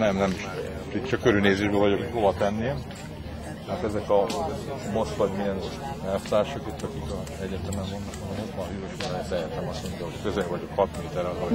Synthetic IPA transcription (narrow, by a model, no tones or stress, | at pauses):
nɛmnɛmiʃɛ̰ | pitt͡ʃɒkøɾylneːzeːʒbøːvɒɟokhovɒt̪ɛnːe | hat̪ɛzɛkɒ | mo̞sʋɒɟmiɛnɛlfod̪aːʃokit̪ːɒkik | ɛɟːɛt̪ɛmɛmmo̞nd̪okmot̪mɒhyɾøʃod̪aɛt̪ɛjɛt̪ɛmɒstmo̞ɲɟɒɦockøzɛvɒɟokhɒt̪meːt̪ɛɾɒz